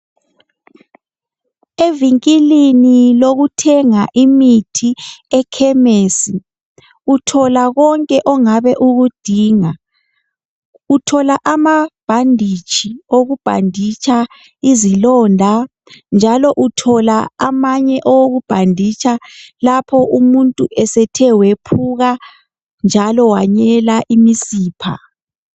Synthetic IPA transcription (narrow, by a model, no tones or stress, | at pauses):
eviŋkʼiliniloɣutʰɛŋaʔimitʰiɛkʰɛmeːsi | utʰɔlaɣɔŋkʼɛʔɔŋaβɛʔuɣud̥ʱiːŋa | utʰɔlaʔamab̥ʱandʱit͡ʃʼʰioɣub̥ʱa̰ndʱit͡ʃʰʼa | izilɔːndʱa | nd͡ʒʱalɔʔutʰɔlaamaɲɛʔɔwoɣub̥ʱandʱit͡ʃʰʼalapʰɔʔumuntʼuʔɛsɛtʰɛwepʰuɣa | nd͡ʒʱalɔwaɲɛlaʔimisiːpʰa̰